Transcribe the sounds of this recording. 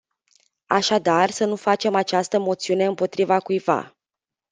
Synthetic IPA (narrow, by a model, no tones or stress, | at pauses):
a̰ʃad̪arsənufat͡ʃe̞mat͡ʃast̪əmo̞t̪siune̞ɨmpo̞t̪ɾivakujva̰